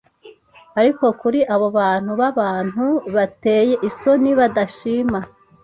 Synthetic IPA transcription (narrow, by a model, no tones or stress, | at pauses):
aɾiko̞kuɾiʔaβo̞βaːn̥huβaβaːn̥huβate̞ːje̞ʔiso̞niβadaʃiːma